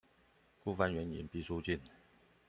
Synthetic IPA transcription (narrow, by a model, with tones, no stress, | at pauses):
ku˥˩fa˥nɥɛ˧˦˥nḭ˧˥npi˥˩su˥t͡ɕi˥˨n